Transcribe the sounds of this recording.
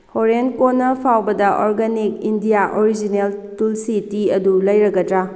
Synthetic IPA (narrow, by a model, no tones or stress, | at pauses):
hoɾenkonːɐpʰawbɐdɐʔoɾɡanik̚indijaʔoɾid͡ʒineltulsitiɐdulɐjɾɐɡɐdɾa